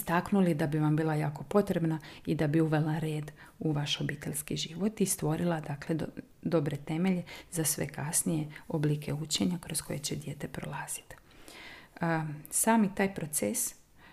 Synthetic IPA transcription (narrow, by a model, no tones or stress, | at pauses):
st̪aknulid̪abiʋambiːlˠajaːko̞po̞t̪ɾe̞bnaid̪abiuʋe̞laɾeːd̪ | uʋaʃo̞biːt̪e̞ʎʲskiʒiʋo̞t̪ist̪ʋo̞ɾilˠad̪akle̞ | d̪o̞bɾe̞t̪e̞meʎezasʋe̞̰kasnije̞oblikʰe̞ut͡ɕe̞ɲakɾo̞sko̞̰je̞t͡ɕed̪je̞t̪e̞pɾo̞̰lˠaːz̥i̥t̪ | saːmit̪aːjpɾo̞t̪ses